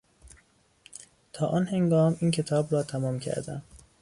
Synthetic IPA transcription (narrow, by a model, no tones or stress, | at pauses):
t̪ʰɒːʔɒːnhe̞ŋɡɒːmiːncʰe̞t̪ʰɒːbɾɒːt̪ʰæmɒːmcʰæ̰ɾd̪æ̰m